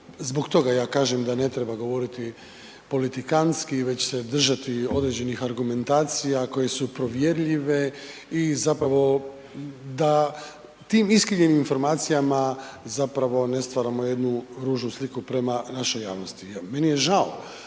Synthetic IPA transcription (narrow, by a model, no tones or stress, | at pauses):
zbo̞ɡt̪o̞ɡajaːkaːʒemd̪ane̞t̪ɾe̞baɡo̞ʋo̞ɾit̪i | po̞lit̪ikanskiʋe̞t͡ɕsed̪r̩ʒat̪io̞d̪ɾed͡ʑe̞nixaɾɡume̞nt̪aːt̪sijako̞je̞supɾo̞ʋje̞ɾʎiʋe | izapɾaʋo̞ | d̪a | t̪iːmiskɾiɲeniminfo̞ɾmaːt̪sijamazapɾaʋo̞ne̞st̪ʋaːɾamo̞je̞d̪nuɾuːʒnuslikupɾe̞manaʃo̞ja̰ːʋno̞st̪ime̞nije̞ʒao